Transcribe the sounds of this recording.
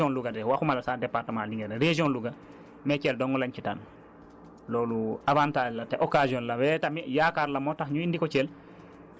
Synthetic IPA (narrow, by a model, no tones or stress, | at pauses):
ɔ̃nluɡadɛwaxumalasaːdɛpaɾtəmãliŋɡɛɛɾed͡ʒiɔnluɡa | mɛt͡ʃɛldɔŋɡɔlaɲt͡ʃita̰n | lɔluavantad͡ʒlatɛʔokaziɔnlawɛtamijakaɾlamɔtaxɲuindikɔt͡ʃɛl